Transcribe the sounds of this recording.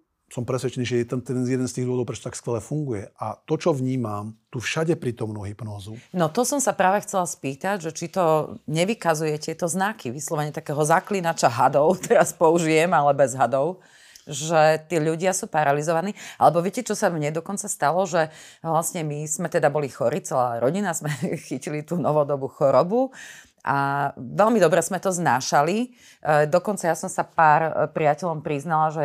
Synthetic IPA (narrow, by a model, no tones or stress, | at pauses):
sɔmpɾɛsʋɛt͡ʃɛniːʒɛjɛt̪at̪ɛzjɛd̪ɛnst̪iːɣd̪ɔʋd̪ɔʊpɾɛt͡ʃɔt̪t̪akskʋɛlɛfuŋɡujɛat̪ɔt͡ʃɔʋɲiːmamt̪ufʃaɟɛpɾiːt̪ɔmnuːɦipnɔːzunɔt̪ɔsɔmsapɾaːʋɛxt͡sɛlaspiːt̪aɟʒɛt͡ʃit̪ɔɲɛʋikazujɛt̪ɪɛt̪ɔznakiʋislˠɔʋɛɲɛt̪akɛːɦɔzaklinat͡ʃaɦad̪ɔʊt̪ɛɾaspɔuʒijɛmalɛbɛzɦad̪ɔʊ | ʒɛt̪iːʎuɟɪasuːpaɾalizɔʋaniːa̰lɛbɔʋɪɛcɛt͡ʃɔsamɲɛd̪ɔkɔnt͡sast̪alɔʒɛʋlasɲɛmiz̥mɛt̪ɛd̪abɔlixɔɾit͡sɛlaːɾɔɟinazmɛxicilit̪uːnɔʋɔd̪ɔbuxɔɾɔbu | ʔaʋɛʎmid̪ɔbɾɛzmɛt̪ɔznaːʃali | d̪ɔkɔnt͡sajasɔmsapaːɾpɾiacɛʎɔmpɾiznalaʒɛ